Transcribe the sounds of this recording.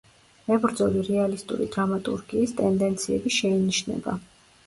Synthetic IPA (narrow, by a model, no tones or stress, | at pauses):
ɛbɾd̪zɔliɾɛalist̪ʼṵɾḭd̪ɾamat̪ʼuɾɡiːst̪ʼɛnd̪ɛnt̪sʰiɛbiʃɛiniʃnɛ̰ba̰